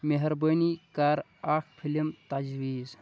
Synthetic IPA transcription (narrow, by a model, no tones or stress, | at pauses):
meɦɐɾbənikaːɾ | aːkʰpʰilimt̪ɐd͡ʒwiːz